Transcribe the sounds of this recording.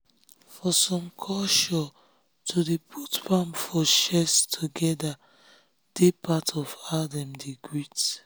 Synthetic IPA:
fɔsɔ̃mkʰɔʃɔ | tʰudepʰutpãmfɔʃɛstʰuɡɛda | d̥epʰatʰɔfadɛ̃mdeɡɹit

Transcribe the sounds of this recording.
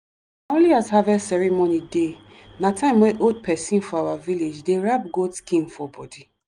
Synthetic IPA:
õnliazhavɛsɛɹimonide | natʰãɪ̃mweʔod̚pʰɛsĩnfɔawaviled͡ʒdeɹab̚ɡotskĩnfɔbɔdi

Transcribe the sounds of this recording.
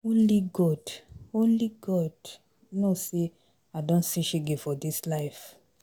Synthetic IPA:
õnliɡɔdõnliɡɔd | nose | adõntsiʃeɡefɔdislaɪf

